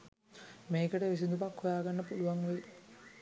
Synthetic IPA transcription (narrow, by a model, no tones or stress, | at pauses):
mejkɐʈeʋis̬ind̪upɐkhojaːɡɐɳːɐpuluʋɐŋːʋel